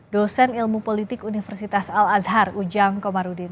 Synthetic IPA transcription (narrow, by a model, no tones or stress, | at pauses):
dosɛnilmupolit̪ɪkunifɛrsit̪asalasɦarud͡ʒaŋkɔmaɾudɪn